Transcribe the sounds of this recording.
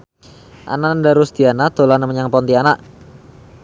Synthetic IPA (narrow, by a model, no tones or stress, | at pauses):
ʔa̰nandaɾust̪ianat̪olanaməɲaŋpɔnt̪ianaʔ